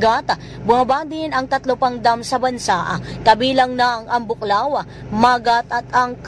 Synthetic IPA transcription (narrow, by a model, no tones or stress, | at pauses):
ɡat̪a | bʊmɐbad̪ɪnɐŋt̪ɐt̪lopɐŋd̪amsɐbɐnsaʔakɐbiːlɐŋnɐŋʔɐŋbʊklaːwɐ | maːɡat̪ʔɐt̪ɐŋk